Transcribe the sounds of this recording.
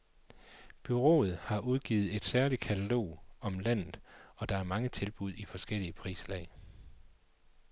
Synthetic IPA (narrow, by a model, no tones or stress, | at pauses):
b̥yʁo̝̰ːð̞̩ˠhɑ̈ʔuðˠɡ̥ḭːð̩ˠe̝d̥sæɐli̥kʰæt͡sʰælo̝̰ːɒ̽mlæn̰ð̩ˠɒ̽d̥ɑ̈æɐmɑ̈ŋət͡sʰe̝lb̥uð̞̰ˠifɒ̽sɡ̥el̰iəpʰʁḭːslɛ̰ɪ